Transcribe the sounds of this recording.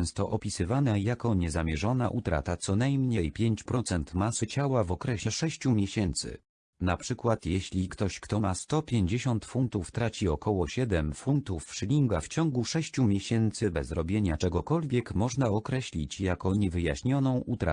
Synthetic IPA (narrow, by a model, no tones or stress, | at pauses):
ɛw̃st̪ɔʔɔpʲisɘvanɛjakɔɲɛzamʲjɛʐɔnaʔut̪ɾa̰t̪at̪sɔnajmɲejpʲjeɲt͡ɕpɾɔt̪sɛnt̪masɘt͡ɕawavɔkɾɛɕɛʂɛɕt͡ɕumʲjɛɕɛnt̪sɘ̰ | napʂɘkwat̪jɛɕlʲikt̪ɔɕkt̪ɔmast̪ɔpʲjeɲd͡ʑeɕɔnt̪funt̪uft̪ɾat͡ɕiɔkɔwɔɕɛd̪ɛmfunt̪ufʂlʲiŋɡaft͡ɕɔŋɡuʂɛɕt͡ɕumʲjeɕɛnt̪sɘbɛzɾɔbʲjeɲat͡ʂɛɡɔkɔlvʲjɛkmɔʐnaɔkɾɛɕlʲḭt͡ɕjakɔɲɛvɘja̰ɕɲɔnɔ̃w̃ʔut̪ɾa̰